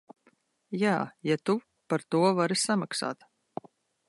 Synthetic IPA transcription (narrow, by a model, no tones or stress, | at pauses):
jaːjat̪u | paɾt̪uɔvaɾisamaksa̰ːt̪